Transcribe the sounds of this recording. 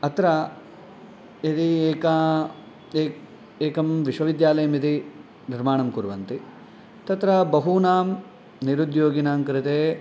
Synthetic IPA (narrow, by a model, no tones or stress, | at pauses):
ɐt̪ɾɐ | it̪ieːkɐ | eː | eːkɐmʋiʃʋɐʋid̪jaːlɐjɐmit̪i | niɾmaːɳɐmkuɾʋɐnt̪i | t̪ɐt̪ɾɐbɐɦunaːm | niɾud̪joːɡinaːmkɾɪt̪eː